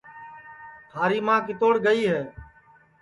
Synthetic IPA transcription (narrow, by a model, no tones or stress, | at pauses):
t̪ʰaːɾiːmãːkɪt̪oːɽɡəiːɦɛː